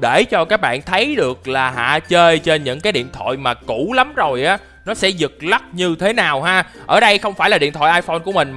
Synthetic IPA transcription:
ɗe˧˩t͡ɕɔ˧kaː˦˥k̚ɓa̰ː˧˨nt̪ʰə˨˦jɗɨ˨˩ək̚laː˨˩ɦa̰ː˧˨t͡ɕəː˧jt͡ɕe˧nɲɨ̰˧˥ŋkaː˨˦jɗḭ˧˨ənt̪ʰwa̰˧˨jmaː˨˩ku˧˩la˨˦mzo˨˩jʔaː˨˦ | nɔ˨˦sɛ̰˧˥zɨ˨˩k̚la˦˥t̚ɲɨ˧t̪ʰe˨˦naː˨˩wɦaː˧ʔəː˧˩ɗə˧jxə˧wŋ͡mfaː˧˩jlaː˨˩ḭ˧˨ənt̪ʰwa̰ː˧˨jʔaː˧jfo˧nku˧˩əmï˨˩ŋ̟

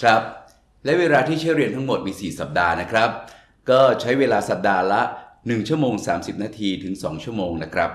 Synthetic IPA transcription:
kʰɾa˦˥p̚ | lɛ˦˥weː˧ɾaː˧t̪ʰiː˥˩t͡ɕʰa˦˥ɾi˧ənt̪ʰa˦˥ŋmo˨˩t̪̚miː˧siː˨˩sa˨˩p̚daː˧na˦˥kʰɾa˦˥p̚ | kɔː˥˩t͡ɕʰa˦˥jweː˧laː˧sa˨˩p̚daː˧la˦˥nɯ˨˩ŋt͡ɕʰu˥˩əmoː˧ŋsaː˩˦msi˨˩p̚naː˧t̪ʰiː˧t̪ʰɯ˩˦ŋsɔː˩˦ŋt͡ɕʰu˥˩əmoː˧ŋna˦˥kʰɾa˦˥p̚

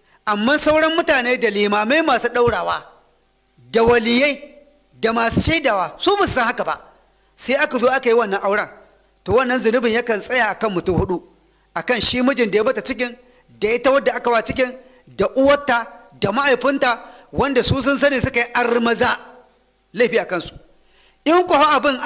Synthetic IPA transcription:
ʔa˨mːaː˦sa˦wɽɐ˦mːʊ˦taː˨neː˦da˨liː˨maː˨ma˦jmaː˨suː˦ɗa˦wɽaː˨waː˦ | da˨wɐ˨lɪ˨je˦ | da˨maː˨su˦ʃa˦jdaː˨waː˦suː˦bʊ˨ssɐ˦ŋha˦ka˨ba̰˨ʔ | saː˦ʔa˦ka˨zoː˦ʔa˦ka˨ji˦wɐ˦nːɐ˦ŋʔa˦wɽɐ˦˨ | toː˨wɐ˦˨nːɐ˦nzʊ˨nʊ˦bɪ˨ɲjɐ˦kɐ˨nsʼɐ˦ja˨ʔa˨kɐ˦mːʊ˨tʊ˦ŋhʊ˦ɗu˦ | ʔa˨kɐ˦˨nʃiː˦mʊ˦d͡ʒɪ˨nda˨ja˦mɐ˦ta˨t͡ʃɪ˦k̬ʲɪ˦n | da˨ʔɪ˦ta˦wɐ˦dːa˨ʔa˦ka˨baː˦˨t͡ʃɪ˦kʲɪ˦n | da˨ʔʊ˦wɐ˦tːaː˨da˨ma˦ʔa˨jɸɪ˦nta˨wɐ˦nda˨suː˦sʊ˦nsɐ˦neː˨sʊ˦ka˨ji˦ʔa˨rmɐ˦za˦ | la˦˨ɸiː˦ʔa˨kɐ˦˨nsu̥˨ʔ | ʔɪ˦ŋkʷɔ˨ho˦ʔa˨bɪ˦˨ŋʔ

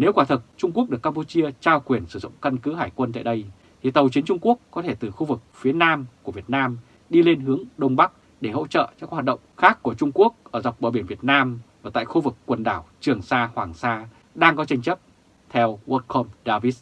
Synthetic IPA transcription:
ne˨˦wkwaː˧˩t̪ʰə˨˩t̚t͡ɕʊ˧ŋ͡mku˥ək̚ɗɨ˨˩əkːa˧mpu˧t͡ɕi˧ət͡ɕaː˧wkwi˨˩ənsɨ˧˩zʊ̰˧˨ŋ͡mka˧nkɨ˨˦ɦaː˧˩jkwə˧nt̪a̰ː˧˨jɗə˧j | t̪ʰi˨˩t̪ə˨˩wt͡ɕi˨˦nt͡ɕʊ˧ŋ͡mku˦˥əkːɔ˨˦t̪ʰe˧˩t̪ɨ˨˩xu˧vɨ˨˩k̚fi˨˦ənaː˧mku˧˩əvi˨˩ət̚naː˧m | ɗi˧le˧nɦɨ˨˦əŋɗə˧wŋ͡mɓa˦˥k̚ | ɗe˧˩ho̰˧˥t͡ɕə̰ː˧˨t͡ɕaː˧˦˥kːɦwaː˨˩t̚ɗə̰˧˨ŋ͡mxaː˦˥kːu˧˩ət͡ɕʊ˧ŋ͡mku˦˥ək̚ʔəː˧˩za˨˩wk͡p̚ɓə̰ː˧˩ɓi˧˩ənvi˨˩ət̚naː˧mvaː˨˩t̪a̰ː˧˨jxu˧vɨ˨˩kːwə˨˩nɗaː˧˩wt͡ɕɨ˨˩əŋsaː˧hwaː˨˩ŋsaː˧ | ɗaː˧ŋkɔ˨˦t͡ɕa˧jŋ̟t͡ɕə˦˥p̚ | t̪ʰɛ˧wwə˨˦t̚kʰo˧mɗaː˧vi˦˥s

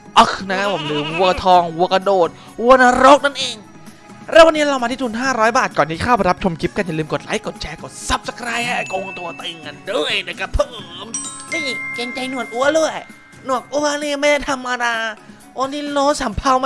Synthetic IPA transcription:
ʔɔ˧˩kna˦˥pʰo˩˦mnɯː˨˦wu˧ɐ˧t̪ʰɔː˧ŋwu˧ɐka˧doː˨˩t̪̚ | wu˧əna˧ɾo˦˥k̚na˥˩nʔeː˧ŋ | ɾɛː˦˥wa˧nːi˦˥ɾa˧wma˧iː˥˩u˧nɦaː˥˩ɾɔː˦˥jbaː˨˩t̪̚kɔː˨˩nːiː˦˥kʰaː˥˩ba˧ɾa˦˥p̚t͡ɕʰo˧mkʰi˦˥p̚ka˧nja˨˩lɯː˧mko˨˩t̪̚laː˨˦˥jko˨˩t̪̚t͡ɕʰɛː˧˩ko˨˩t̪̚sa˧˦˥p̚sa˨˩k̚ɾa˧jɛː˧˩ko˧ŋ˧t̪u˧ɐt̪e˧ŋːa˧ndɤː˧˩jna˧˩ka˧˩pʰɤː˧˩mniː˧˥˩ke˧ŋt͡ɕa˧jnu˨˩ət̪̚ʔu˧˦ɐlɯ˥˩əj | nu˨˩ək̚ʔu˧˥ɐniː˧˩ma˥˩jda˥˩jt̪ʰa˧mːaː˧ɾaː˧ | ʔo˧˥niː˧˥˩loː˦˥saː˨˦mpʰa˧˩wma˧˥

